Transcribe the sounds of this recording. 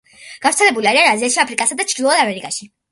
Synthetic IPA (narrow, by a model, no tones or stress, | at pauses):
ɡ̥avɾt̪sʰɛlɛbuliaɾianaziaʃiapʰɾikʼasad̪at͡ʃʰɾd̪ilˠɔd̪amɛɾikʼaʃi